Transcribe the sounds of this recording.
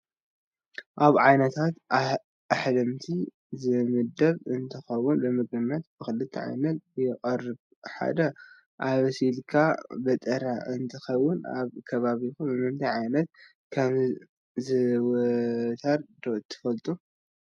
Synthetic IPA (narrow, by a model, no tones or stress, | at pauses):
ʔaβʕajnɐt̪ʰat̪ | aħlɐmt̪ʰi | zɨmɨd̪ɐβɨnt̪ʰɨxɐwːʊnbɨmɨɡɨmːɐt̪̚b̥ɨxɨlɨt̪ʰːɐ̰ʕa̰jnɐt̪̚jɛχʼɐrɨβ | ħa̰d̪ɐ | ʔaβsilkʰabɐt̪ʼɐɾaʔɨnt̪ʰɨxɐwːʊna̰βkʰɐβaβikubɨmɨmt̪ʰiʕajnɐt̪̚ | kʰɐm | zɨwt̪ʰɐɾd̪oʔt̪ʰːɨ̥fɐlt̪ʼu